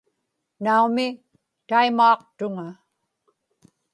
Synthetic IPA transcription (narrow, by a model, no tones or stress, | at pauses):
naumɪ | t̪aimɑːq̚t̪ʊŋa